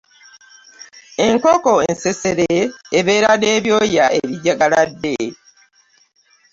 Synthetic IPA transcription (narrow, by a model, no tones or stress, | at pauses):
e̞ŋkoko̞enseseɾeːβe̞ːɾane̞ːβjo̞ːjaʔeβiɟːaɡaladːe